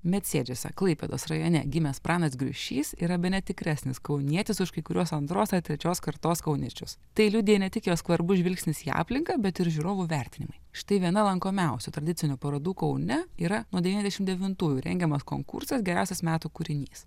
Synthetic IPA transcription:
mʲɛt̪ʲsʲeːd͡ʒʲoːsʲɛ̰klˠɐɪpʲɛ̰d̪oːsɾɐjoːnʲɛ̰ɡʲɪmʲɛspɾɑːnɐsɡɾʲʊ̰ʃʲiːsḭːɾɐbʲɛnʲɛt̪ʲɪkɾʲæsʲnʲɪskɐʊnʲiɛt̪ʲɪsʊʃkɐɪkʊɾʲuɔsɐnt̪ɾoːsɐrt̪ʲɾʲɛt͡ʃʲoːskɐɾt̪oːskɐʊnʲɛt͡ʃʲʊs | t̪ɐɪlʲʊd̪ʲɪjɛnʲɛt̪ʲɪkjoːskʋɐɾbʊʒʲʋʲɪlʲksʲnʲɪsiːɑ̰ːpʲlʲɪŋkɐbʲɛt̪ɪɾʒʲuɾoːʋuːʋʲæɾʲt̪ʲɪnʲɪmɐɪʃɪ̥t̪ɐɪʋʲiɛnɐlˠɐŋkoːmʲɛˑʊsʲut̪ɾɐd̪ʲɪtt͡s̪ʲɪnʲʊpɐɾɐd̪uːkɐʊnʲɛiːɾɐnuɔd̪ʲɛʋiːnʲɛzʲd̪ʲɛʃɪmd̪ʲɛʋʲɪnt̪uːjuːɾʲɛ̰ŋʲɡʲɛmɐsko̰ːŋkʊ̰ɾsɐsɡʲɛɾʲæˑʊsʲɛsmʲæːt̪uːkʊɾʲɪnʲiːs

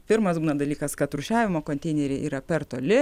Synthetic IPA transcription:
pʲɪɾmɐsbuːnɐd̪ɐlʲiːkɐskɐt̪ɾʊʃʲæːʋʲɪmoːkonʲt̪ʲɛɪnʲeɾʲeʔiːɾɐpʲɛɾt̪oːlʲɪ

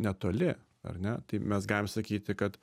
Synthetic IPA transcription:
nʲɛt̪oːlʲɪ | ɐ̰ɾnʲɛt̪ɐɪmʲɛsɡɑːlʲɪmsɐkʲiːt̪ʲɪkɐt̪

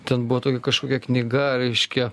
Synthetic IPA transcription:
t̪ʲɛnbʊʋot̪oːkʲɛkɐʃkoːkʲɛknʲiɡɐɾʲɛɪʃʲkʲɛ

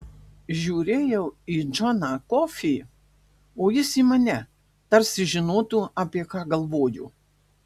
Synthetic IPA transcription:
ʒʲuːɾʲeːjɛʊiːd͡ʒɔnɑkɔfʲiː | oːjɪsiːmɐnʲɛ | t̪ɐɾʲsʲɪʒʲɪnoːt̪uɑapʲiɛkɑːɡɐlˠʋoːjʊ̰

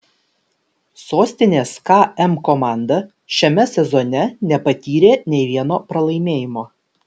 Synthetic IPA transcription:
soːsʲt̪ʲɪnʲeːskɑːɛmkɔmɑˑnd̪ɐ | ʃʲɛmʲɛsʲɛzɔnʲɛnʲɛpɐt̪ʲiːɾʲeːnʲɛɪʋʲiɛnoːpɾɐlˠɐɪmʲeːjɪmoː

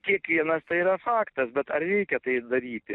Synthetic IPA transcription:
kʲiɛkʋʲiɛnɐst̪ɐɪiːɾɐfɑːkt̪ɐsbʲɛt̪ɐrrʲɛɪkʲɛt̪ɐɪd̪ɐɾʲiːt̪ʲɪ

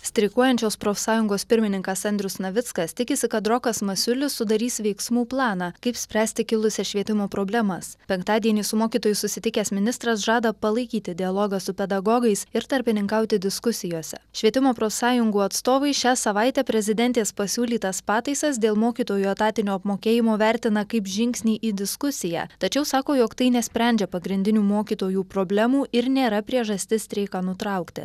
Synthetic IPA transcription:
sʲt̪ʲɾʲɪkuɔjɛnʲt͡ʃʲoːspɾoːfʲsɑːjʊŋɡoːspʲɪɾʲmʲɪnʲɪŋkɐsɐnʲd̪ʲɾʲʊsnɐʋʲɪt̪skɐst̪ʲɪkʲɪsʲɪkɐt̪ɾɔkɐsmɐsʲʊlʲɪsʊd̪ɐɾʲiːsʋʲɛɪksmuːplˠɑːnɑkɐɪpsʲpʲɾʲæːsʲt̪ʲɪkʲɪlˠʊsʲɛʃʲʋʲiɛt̪ʲɪmoːpɾoːbʲlʲɛmɐspʲɛŋkt̪ɑːd̪ʲiɛnʲiːsʊmoːkʲiːt̪oːjʊsʊsʲɪt̪ʲɪkʲɛːsmʲɪnʲɪst̪ɾɐs̬ʒɑːd̪ɐpɐlˠɐɪkʲiːt̪ʲɪd̪ʲɪɐlˠoːɡɐsʊpʲɛd̪ɐɡɔɡɐɪsɪɾt̪ɐɾʲpʲɪnʲɪŋkɑʊt̪ʲɪd̪ʲɪskʊsʲɪjoːsʲɛʃʲʋʲiɛt̪ʲɪmoːpɾoːsɑːjʊŋɡuːɐt̪st̪oːʋɐɪʃʲæːsɐʋɐɪt̪ʲɛpʲɾʲɛzʲɪd̪ʲɛnʲt̪ʲeːspɐsʲuːlʲiːt̪ɐspɑːt̪ɐɪsɐsd̪ʲeːlˠmoːkʲiːt̪oːjuɐt̪ɑːt̪ʲɪnʲoːɐpmoːkʲeːjɪmoːʋʲæɾʲt̪ʲɪnɐkɐɪpʒʲɪŋʲksʲnʲiːʔiːd̪ʲɪskʊsʲɪjæ̰ːt̪ɐt͡ʃʲɛʊsɑːkoːjoːkt̪ɐɪnʲɛsʲpʲɾʲɛˑnʲd͡ʒʲɛpɐɡɾʲɪnʲd̪ʲɪnʲuːmoːkʲiːt̪oːjuːpɾoːbʲlʲɛmuːʔɪɾnʲeːɾɐpʲɾʲiɛʒɐsʲt̪ʲɪstɾʲɛɪkɐnʊt̪ɾɐʊkt̪ʲɪ̰

